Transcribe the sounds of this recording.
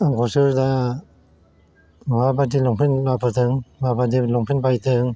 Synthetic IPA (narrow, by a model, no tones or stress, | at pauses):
aŋkʰɔsɯɾda | mabadilɔŋpʰinlapʰɯtʰɯŋmabadilɔŋpʰinpajtʰɯŋ